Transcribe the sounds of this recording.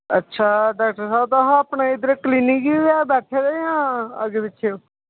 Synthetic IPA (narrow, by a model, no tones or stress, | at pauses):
ə̰tːʃʰaːɖaːk̚ʈəɾsaːbt̪aɦaːpɳeːɪd̪əɾkliːnikiɛːbɛːʈʰed̪eːjãːə̰ɡebɪt͡ʃʰː